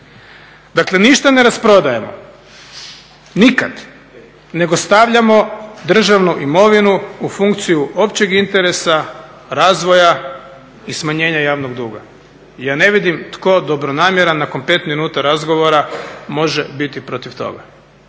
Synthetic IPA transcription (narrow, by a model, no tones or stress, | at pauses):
d̪akle̞niʃt̪ane̞ɾaspɾo̞d̪ajemo̰ | nikad̪ | ne̞ɡo̞st̪aʋʎamo̞d̪r̩ʒaʋnuʔimo̞ʋinuufuŋkt̪sijuʔo̞pt͡ɕe̞ɡint̪e̞ɾe̞sa | ɾaːzʋo̞ja | ismaɲe̞ːɲajaːʋnoɡd̪uːɡa̰ | ijaːne̞ʋid̪imt̪ko̞d̪o̞bɾo̞naːmjeɾanːako̞npe̞ːt̪minuːt̪aɾazɡo̞ʋo̞ɾamo̞ʒebit̪ipɾo̞t̪iʋt̪o̞̰ɡa